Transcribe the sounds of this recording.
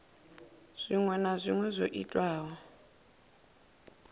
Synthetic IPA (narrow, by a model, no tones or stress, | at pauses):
z̥ʷiŋwɛnazʷiŋwɛzʷoʔḭtʼwaːɦɔ